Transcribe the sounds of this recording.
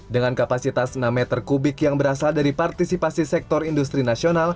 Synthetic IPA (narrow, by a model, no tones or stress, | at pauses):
dəŋankapasit̪asnamɛt̪ərkubɪkjaŋbəɾasaldaɾipart̪isipasisɛk̚t̪ɔrindus̬t̪ɾinasional